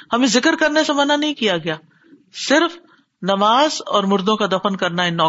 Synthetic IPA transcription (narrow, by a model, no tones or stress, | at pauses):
hɐmẽzɪkəɾkɐɾnesamɐnanɐɦĩkijaɡɐjaː | sɪɾf | nɐmaːzɔːɾmʊɾd̪õkad̪ɐfənkɐɾnaɪnːɔː